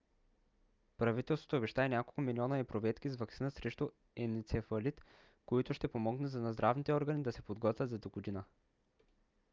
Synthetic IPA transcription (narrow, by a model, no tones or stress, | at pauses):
pɾɐvit̪ɛlˠst̪vo̥t̪oːbɛʃt̪aɛnʲjakolˠkʊmiliɔnəɛpɾovɛt̪kizvɐksinəsɾɛʃt̪ʊ | ɛnit̪sɛfɐlit̪ | koit̪ʊʃt̪ɛpomɔɡnɛzɐnɐzd̪ɾʔavnit̪ɛɔɾɡənid̪ɐsɛpod̪ɡɔt̪vʲəd̪zɐd̪oɡʊd̪inə